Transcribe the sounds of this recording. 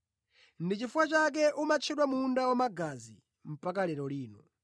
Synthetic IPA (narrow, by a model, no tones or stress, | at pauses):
ndit͡ʃifuwat͡ʃak̬ɛʔumat͡ʃʰɛɗwamuːndawamaɡazḭ | m̩pakalɛɾɔliːnɔ